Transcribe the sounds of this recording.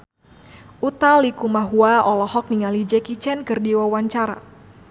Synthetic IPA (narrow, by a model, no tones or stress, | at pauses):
ʔut̪alikumaɦuaɔlɔhɔk̚niŋalid͡ʒɛkit͡ʃɛnkɨrdiwawaɲt͡ʃaɾa̰